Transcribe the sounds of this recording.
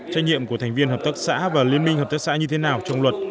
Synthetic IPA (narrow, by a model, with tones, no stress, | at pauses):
t͡ɕa˧jŋ̚ɲḭ˧˨əmku˧˩ət̪ʰɛ˨˩ŋ̟vi˧ənɦəː˨˩p̚t̪ə˦˥k̚sa̰ː˧˥vaː˨˩li˧ənmi˧həː˨˩t̪ə˦˥k̚sa̰ː˧˥ɲɨ˧t̪ʰe˨˦naː˨˩wt͡ɕɔ˧wŋ͡mlwə˨˩t̚